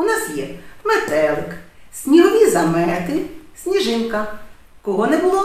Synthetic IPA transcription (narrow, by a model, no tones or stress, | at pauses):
unasjɛmɛt̪ɛlˠksʲnʲiɦɔʋʲizɐmɛt̪ɪsʲnʲiʒɪnkɐ | kɔɦɔnɛbʊlˠɔ